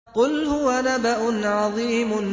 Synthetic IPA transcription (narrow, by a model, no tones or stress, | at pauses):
qʊlhʊwanabaʔʊnʕɑðˤiːmʊn